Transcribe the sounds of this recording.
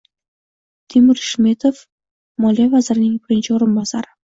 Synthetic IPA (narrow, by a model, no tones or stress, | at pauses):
t̪ʰimɪɾʃmet̪ʰof | mɒlijavazɪɾɪnɪŋbɪɾɪnt͡ʃʰɪoɾɪnbasaɾɪ